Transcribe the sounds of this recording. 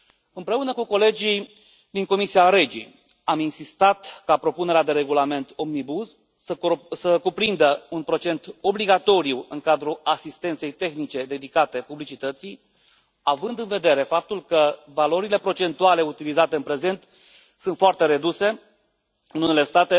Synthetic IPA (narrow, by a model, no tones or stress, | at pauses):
ɨmpɾe̞unəkuko̞le̞d͡ʒi | d̪iŋko̞misiaɾe̞d͡ʒḭ | aminsist̪at̪kapɾo̞pune̞ɾead̪e̞ɾe̞ɡulame̞nt̪o̞mnibuz | səkupɾind̪əunpɾo̞t͡ʃe̞nt̪o̞bliɡat̪o̞ɾiuɨŋkad̪ɾuasist̪e̞nt̪se̞jt̪e̞xnit͡ʃe̞d̪e̞d̪ikat̪e̞publit͡ʃit̪ət̪si | avɨnd̪ɨnve̞d̪e̞ɾe̞fap̚t̪ulkəvalo̞ɾile̞pɾo̞t͡ʃe̞nt̪uale̞ut̪ilizat̪e̞ɨnpɾe̞ze̞nt̪ | sunt̪foart̪e̞ɾe̞d̪use̞ | ɨnune̞le̞st̪at̪e̞